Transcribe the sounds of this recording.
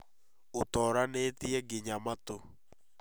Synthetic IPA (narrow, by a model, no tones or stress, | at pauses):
otɔɾanetiɛɡeɲamat̪o